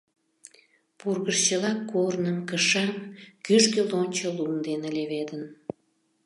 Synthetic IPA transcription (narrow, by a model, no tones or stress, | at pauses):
purɣəʃt͡ɕəlɑkːornəmkəʃɑmkyʃkelonʲt͡ɕəlumd̪eneleβed̪ən